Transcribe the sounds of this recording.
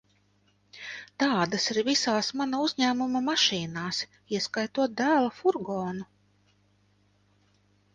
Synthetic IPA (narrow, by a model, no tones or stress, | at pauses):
t̪ɑːd̪asiɾvisaːsmanauzʲɲæːmumamaʃiːnaːs | iɛskajt̪uɔt̪̚d̪æːlˠafuɾɡɔːnu